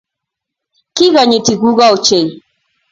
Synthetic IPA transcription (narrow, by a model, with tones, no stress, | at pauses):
ki˦ɣa˨ɲi˨ti˨ɣu˦ɣa˦o˨t͡ʃɛ˨i˨